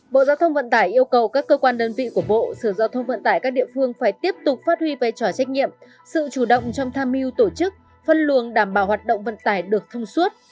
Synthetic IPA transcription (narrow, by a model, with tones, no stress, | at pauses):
ɓo̰˧˨zaː˧wt̪ʰə˧wŋ͡mvə̰˧˨nt̪aː˧˩jʔi˧əwkə˨˩wkaː˦˥kːəː˧kwaː˧nɗəː˧nvḭ˧˨ku˧˩əɓo̰˧˨səː˧˩zaː˧wt̪ʰə˧wŋ͡mvə̰˧˨nt̪aː˧˩jkaː˦˥k̚ɗḭ˧˨əfɨ˧əŋfaː˧˩jt̪i˦˥əp̚t̪ʊ˨˩k͡p̚faː˦˥t̚hwi˧ve˨˩t͡ɕɔ˧˩t͡ɕa˦˥k̟̚ɲḭ˧˨əm | sɨ̰˧˨t͡ɕu˧˩ɗə̰˧˨wŋ͡mt͡ɕɔ˧wŋ͡mt̪ʰaː˧mhi˧wt̪o˧˩t͡ɕɨ˦˥k̚ | fə˧nlu˨˩ənɗaː˧˩mɓaː˧˩whwaː˨˩t̚ɗo̰˧˨wŋ͡mvə̰˧˨nt̪aː˧˩jɗɨ˨˩ək̚t̪ʰə˧wŋ͡mswu˦˥ət̚